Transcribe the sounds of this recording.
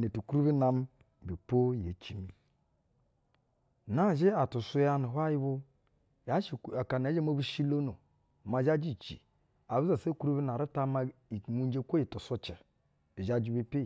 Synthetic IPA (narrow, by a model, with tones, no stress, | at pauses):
ne˨tu˨ku˦ɾu˦bi˦na˨m˦ | bi˨po˦je˨t͡ʃi˦mi˨ | na˦˨ʒe˦a˨tu˨su˦ja˦nu˨ɦa˦ji˦bu˦ | ja˦ʃi˨a˨ka˨n˨a˨˦d͡ʒe˦mo˦bu˦ʃi˦lo˦no˨ | ma˨d͡ʒa˦d͡ʒi˦˨t͡ʃḭ˨ | a˨bi˦za˨se˦ku˦ɾu˦bi˦na˨ɾi˦ta˦ma˦˨ŋu˦n˦d͡ʒe˦kʷo˦i˨to˨so˦t͡ʃɛ˨ | i˨ʒa˦d͡ʒi˨bi˦pi˦˨